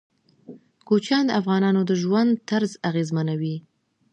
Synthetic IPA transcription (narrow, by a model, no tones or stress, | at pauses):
kot͡ʃɑnd̪əafɣɑnɑnod̪əʒwand̪̚t̪aɾzaɣezmanawi